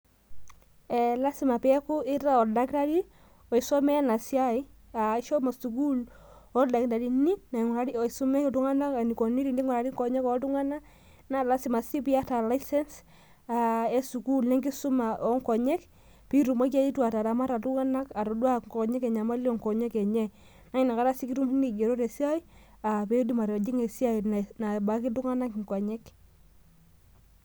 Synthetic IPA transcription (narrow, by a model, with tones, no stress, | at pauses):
ɛ˨la˦sɪ˨ma˨pɛ˨ɛ˦kʊ˦ɪ˦ɾa˦ɔ˨da˦kɾa˦ɾi˦ | ɔ˨i˨sɔ˦mɛ˦na˨sja˦i˦a˨ɪ˦ʃɔ˦ma˨su˨ku˦l | ɔ˦da˨kda˨di˨ni˦na˨ŋɔ˨ɾa˨ɾi˦ɔ˨su˦mɛ˦tʊ˦ŋa˦na˦ka˨ni˨kɔ˨ni˦ɾi˨ndi˦ŋɔ˨ɾa˨ɾi˦ŋkɔ˨ɲɛ˦kɔ˨˦tʊ˦ŋa˦na˦ | na˦la˦si˨ma˨si˦pi˦a˦ta˨la˦sɛ˦ns | a˨e˦su˨ku˦lnɛ˦ŋɡi˦su˦ma˨ɔ˦ŋkɔ˨ɲɛ˦k | pi˦ɾu˨mɔ˦k̬a˦i˦twa˨ta˨ɾa˨ma˦ɾa˨tu˦ŋa˦na˦ka˨ɾɔ˨dwa˦ŋkɔ˨ɲɛ˦kɛ˨ɲa˨ma˦li˦ɔ˨ŋkɔ˨ɲɛ˦kɛ˨ɲɛ˦ | na˦i˨na˨ka˦ɾa˦si˦ki˦tu˦m˦ni˨ɡe˨ɾo˦ɾe˨si˦a˦i˦ | a˨pe˦di˦ma˨ɾɔ˨d͡ʒi˦ŋe˨si˦a˦inana˨ba˨˦ki˦tu˦ŋa˦na˦kŋkɔ˨ɲɛ˦k